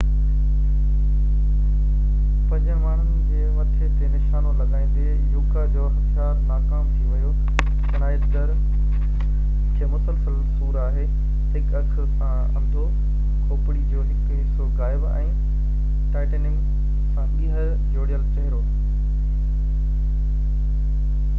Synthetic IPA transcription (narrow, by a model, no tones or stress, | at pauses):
pɐ̃ɲd͡ʑə̃maːɳ̤ʊnɪd͡ʑeːʋɐt̪ʰet̪enɪʃaːnolɐɠaːĩːn̆d̪e | juːkad͡ʑoːɦt̪ʰijaːɾsãːkaːmt̪ʰiʋɐjo | d͡ʑɐnaːjɪt̪d̪ɐɾ | kʰeːmʊsəlsəlsuːɾaːɦeː | ɦɪkɐksəɾsã | ɐ̰̃md̪ʱo | kʰoːpɽid͡ʑoːɦɪk | soɣaːɪbɛ̰̃ː | ʈaːɪʈənɪm | sãɗiːɦə | d͡ʑoːɽijəlt͡ɕɐɦɪɾo